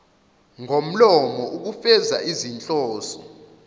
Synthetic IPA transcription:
ŋom̩lɔmɔuk̬ufɛza̰ʔizint͡ɬʼɔːsɔ

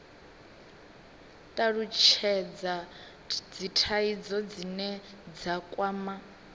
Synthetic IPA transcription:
tʼaɺut͡ʃʰɛd͡za | d͡zitʰaid͡zɔd͡zinɛ | d͡zakʼwaːma

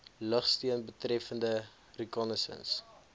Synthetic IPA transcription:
ləχstiənbətrɛfəndə | rikɑnəsə̰ns

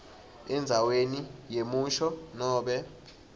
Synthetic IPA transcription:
ɛnd͡zʱawenijemuʃɔnɔːɓɛ

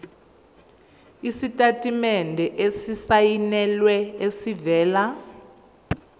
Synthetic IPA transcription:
isitʼatʼimɛndʱɛʔesisajinɛlwɛesivɛːla

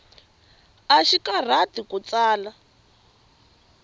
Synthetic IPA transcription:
aʃikar̤atikut͡saːla

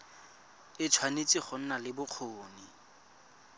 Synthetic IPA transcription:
ɪt͡sʰwanet͡sʼiχʊn̩nalɪbʊq͡χʰoːni

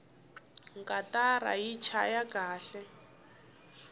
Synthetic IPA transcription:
ŋkʼatara̰jit͡ʃʰajaɡaːɬɛ

